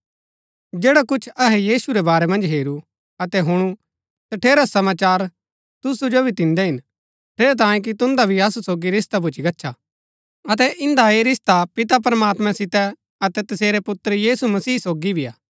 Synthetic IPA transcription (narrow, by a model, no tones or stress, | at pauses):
d͡ʒeːɽakʊt͡ʃʰɐɦɛjiːsuɾɛbaːɾɛmɐ̃nd͡ʒɦeːɾu | ɐt̪ɛɦʊɽ̃u | t̪ɐʈʰeːɾasɐmaːt͡ʃaːɾ | t̪ʊsud͡ʒobʱit̪ɪ̃nd̪ɛɦɪn | ʈʰeːɾɛt̪̬ãːjẽk̬it̪ʊ̃nd̪abʱiɐsusoːɡiɾɪst̪abʊt͡ʃʰiɡɐtːʃʰa | ɐt̪ɛʔɪ̃nd̪aeɾɪst̪apɪt̪ap̬ɾɐmaːt̪mɛ̃sɪt̪ɛ | ɐt̪ɛt̪ɐseːɾɛpʊt̪ːɾjiːsumɐsiːsoːɡibʱija̰ː